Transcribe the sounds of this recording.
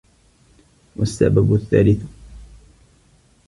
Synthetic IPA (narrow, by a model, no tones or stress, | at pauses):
wasːa̰babʊθːa̰ːlɪθ